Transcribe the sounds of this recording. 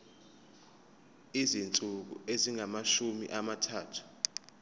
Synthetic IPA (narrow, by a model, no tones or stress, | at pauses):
izint͡sʼuk̬ṵeziŋamaʃumḭʔamatʰaːtʰu̥